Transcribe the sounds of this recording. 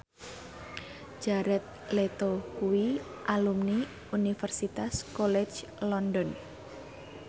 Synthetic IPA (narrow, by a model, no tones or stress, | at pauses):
d͡ʒ̥aɾɛt̪̚let̪okuwi | ʔalumni | unifɛrsit̪askɔlɛ̥t͡ʃ | lɔndɔn